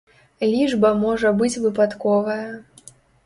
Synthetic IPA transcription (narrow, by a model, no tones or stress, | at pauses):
lʲiʐbɐmɔʐɐbɨt͡sʲvɨpat̪kɔvɐjɐ